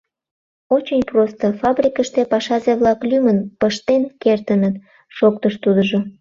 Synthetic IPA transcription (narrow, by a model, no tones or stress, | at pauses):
ot͡ɕenʲprost̪ofɑbrʲikəʃt̪epɑʃɑzeβlɑklymənpəʃt̪enkert̪ənət̪ | ʃok̚t̪əʃt̪ud̪əʒo